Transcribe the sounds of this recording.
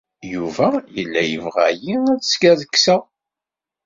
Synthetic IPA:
juvæjəlːæjəvʁæ̰jinæðsɡæðəkːsæ

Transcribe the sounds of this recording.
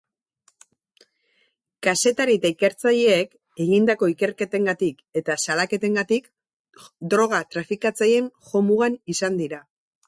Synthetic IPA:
kase̞t̪aɾit̪aike̞ɾt͡saʎe̞ːk | e̞ɣind̪ako̞ike̞ɾke̞t̪e̞ŋɡat̪ike̞t̪asalake̞t̪e̞ŋɡat̪ik | d̪ɾo̞ɣ̞at̪ɾafikat͡saje̞ŋxo̞muɣanisand̪iɾa

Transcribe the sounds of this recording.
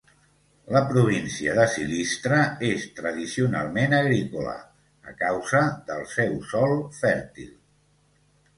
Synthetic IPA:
ləpɾuβ̞insiəðəsḭlist̪ɾəest̪ɾəðisiuna̰lˠmenəɣɾikulə̰ | ə̰kawzəðəlˠsɛwsɔlˠfɛɾt̪ḭlˠ

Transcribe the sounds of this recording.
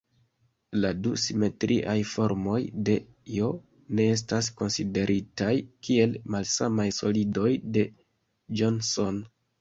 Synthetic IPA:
ladusime̞tɾʔiʔajfo̞ɾmo̞jde̞ | jo̞ | ne̞e̞s̬tasko̞nside̞ɾʔitajkie̞lmalsamajso̞lido̞jde̞ | d͡ʒonso̞n

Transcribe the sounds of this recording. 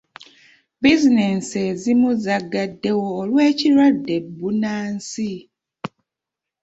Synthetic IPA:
bizinensezimuzaɡadːe̞woːlwe̞ːciɾwadːe̞bːunaːnsi

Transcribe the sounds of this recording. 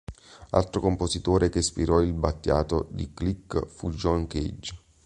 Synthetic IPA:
a̰lt̪ɾokompozit̪oːɾekespiɾɔilbat̪ːja̰ːt̪od̪iklikːfud͡ʒɔnkḛd͡ʒ

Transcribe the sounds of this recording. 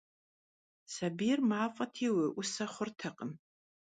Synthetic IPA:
sabijrmaːfʼɐtʰiwɪʔʊsɐχʷʊrtʰɐqʼəm

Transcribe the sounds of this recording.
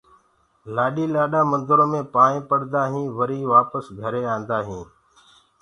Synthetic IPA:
laːɗiːlaːɗaːmənd̪əɾõːmẽːpaːɳẽːpəɽd̪aːɦĩːʋəɾiːʋaːpəsɡʱəɾeːãːnd̪aːɦĩː

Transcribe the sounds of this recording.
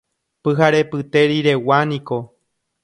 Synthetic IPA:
pɨɦaɾe̞pɨt̪e̞ɾiɾe̞wanĩko̞

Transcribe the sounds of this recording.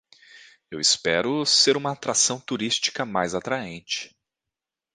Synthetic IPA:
ewɪspɛɾʊseɾũmɐːt̪ɾasɐ̃w̃t̪uɾist͡ʃi̥kɐmajzat̪ɾaẽnt͡ʃɪ̥

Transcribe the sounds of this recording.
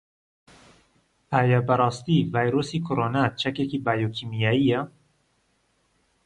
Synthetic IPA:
ʔæːjɛbɛɾˤɑːst̪ivɑːjɾoːsiːkʰoɾonat͡ʃʰɛkekiːbaːjoːkʰiːmijaijɛ

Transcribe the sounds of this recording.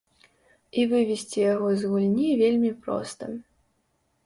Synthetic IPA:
ivɨvʲisʲt͡sʲijaɣɔzɣulʲnʲivʲelʲmʲipɾɔ̰st̪ɐ̰

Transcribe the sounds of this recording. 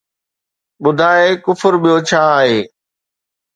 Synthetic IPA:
ɓʊd̪ʱaːekʊfəɾɓijot͡ɕʰaːaːɦeː

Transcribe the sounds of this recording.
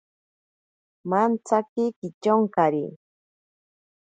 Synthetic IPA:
mant͡sakɪkɪt͡ʃoŋkaɾḭ

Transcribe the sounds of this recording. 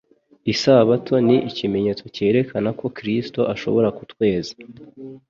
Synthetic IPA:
isaβatʰo̞niʔicime̞ɲe̞ːt͡so̞ce̞ːɾe̞kʰanako̞kɾisto̞ʔaʃo̞̰βo̞ɾakutwe̞ːze̥

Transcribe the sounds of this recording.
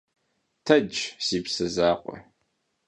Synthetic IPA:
tʰɐd͡ʒz̥iːpsɐzaːqʷʼɔ̰

